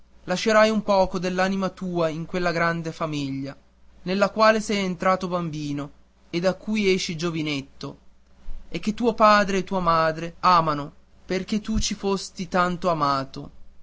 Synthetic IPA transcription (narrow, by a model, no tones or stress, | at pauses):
laʃːeɾajumpɔːkod̪elːaːnimat̪uːaiŋkwelːaɡɾand̪efamiʎːa | nelːakwaːlesɛjent̪ɾaːt̪obambiːno | ed̪akːujɛːʃːid͡ʒovinet̪ːo | ek̟ːet̪ːuːopaːd̪ɾeːt̪ːuːamaːd̪ɾeaːmano | perk̟et̪ːut͡ʃifost̪it̪ant̪oamaːt̪o̰